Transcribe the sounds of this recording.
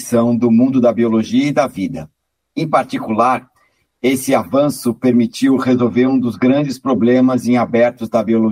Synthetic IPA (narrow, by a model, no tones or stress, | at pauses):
sɐ̃w̃d̪ʊmũd̪ʊd̪ɐbioloʒiɐɪd̪ɐvid̪ɐ | ẽpaɾt͡ʃikulaɾ | esɪavɐ̃sʊpeɾmit͡ʃiwhezowveɾũd̪ʊzɡɾɐ̃nd͡ʒɪspɾoblẽmɐzẽj̃abɛɾt̪ʊzd̪ɐbiolo